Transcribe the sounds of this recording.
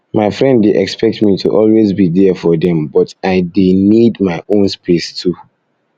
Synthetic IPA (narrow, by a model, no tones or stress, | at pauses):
maɪfɹɛ̃nddeʔɛkspɛk̚tmitʰṵʔɔlwezbidɛfɔdɛ̃mbɔtaɪdenidmaɪʔõnspʰestʰu